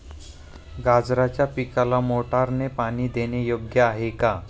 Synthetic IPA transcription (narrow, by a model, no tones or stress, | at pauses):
ɡad͡zɾat͡ɕjapikalamoʈaɾnepaɽ̃iːd̪enejoɡjəaɦeka